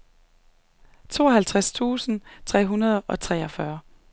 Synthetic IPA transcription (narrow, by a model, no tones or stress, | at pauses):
t͡sʰo̝̰ːɒɦælt͡sʰʁast͡sʰṵːsn̩t͡sʰʁɛ̰ːɦunɐð̞̩ˠɒ̽t͡sʰʁɛ̰ːɒ̽fɶɐ